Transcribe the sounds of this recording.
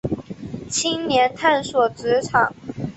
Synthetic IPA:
t͡ɕʰi˥ŋnjɛ˧˥nt̪ʰa˥˧nswɔ˨˩ʈ͡ʂɻ̩˧˥ʈ͡ʂʰɑ˨˩˦ŋ

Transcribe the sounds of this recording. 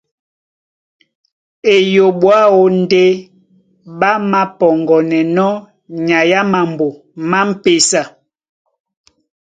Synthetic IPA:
e˨jo˨ɓwa˦o˦n̩˦de˦ | ɓa˦ma˦pɔ˨ŋɡɔ˨nɛ˨nɔ˦ | ɲa˨ja˦ma˨m˨bo˨ | ma˦m̩˦pe˨sa˨

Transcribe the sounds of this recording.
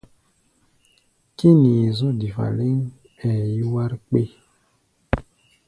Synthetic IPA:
ki˦ni˨zɔ˦di˨fa̰˨le˦ŋ | ɛ˨ji˦wa˦ɾk͡pe˦

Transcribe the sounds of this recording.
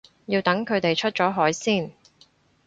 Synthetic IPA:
jiː˧wt̪ɐ˨˥ŋkʰɵ˨˧ɥt̪e˨jt͡ʃʰɵ˥t̚t͡ʃɔː˨˥ɦɔː˨˥jsiː˥˩n

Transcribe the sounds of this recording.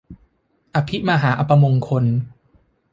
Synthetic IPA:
ʔa˧pʰi˦˥maː˧ɦaː˩˦ʔa˧pa˧mo˧ŋkʰo˧n

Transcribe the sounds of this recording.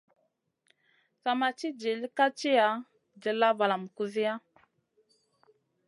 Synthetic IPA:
sa˨ma˨t͡ʃi˦d͡ʒi˨li˦ka˦t͡ʃi˦ja˨˦ | d͡ʒə˨la˦va˨la˨m˨ku˨zi˦ja˦

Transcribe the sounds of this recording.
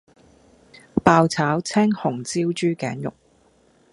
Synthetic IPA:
paː˧wt͡sʰaː˨˥wt͡sʰɛː˥ŋhʊ˨˩ŋt͡siː˥wt͡ʃyː˥kɛː˨˥njʊ̰˨˩k̚

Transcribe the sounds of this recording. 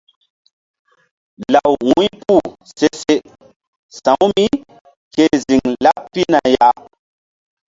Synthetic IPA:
la˨wwũ˦pu˦˨se˦se˦ | sã˨wmi˦ | ke˦zi˨ŋla˦ppi˦na˨ja˦

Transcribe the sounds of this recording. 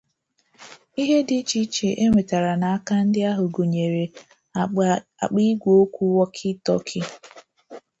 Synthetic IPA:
i˦ɦe˦dɪ˦t͡ʃi˦t͡ʃe˨ʔe˦ŋʷe˨ta˨ɾa˨na˨a˦ka˦n̩˦dɪ˦a˦ɦʊ˨ɡo˨ɲe˨ɾe˨ | a˨k͡pi˦ɡʷo˦kʷu˦wɔ˦kʰɪ˦tɔ˦kʰɪ˦

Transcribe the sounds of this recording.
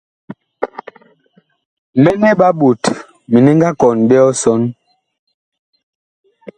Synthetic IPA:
m̩˨mɛ˦nɛ˦ɓa˦bu˨t | mi˨ni˦ŋɡa˦kɔ˨nbɛ˦ɔ˦sɔ˦n

